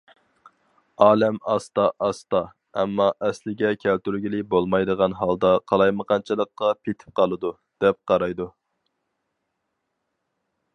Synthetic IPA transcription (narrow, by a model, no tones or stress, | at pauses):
ɑːlɛmɑst̪ɑʔɑst̪ɑ | ɛmːɑʔɛslɪɡʲɛkʲʰælt̪yɾɡʲilɪbolˠmɑjd̪əʁɑnɦɑlˠd̪ɑqʰɑlˠɑjməqʰɑnt͡ʃʰɨlˠəqːɑpʰet̪ʰɪ̥p̚qʰɑlˠɨd̪u | d̪̥ɛp̚qʰɑɾɑjd̪u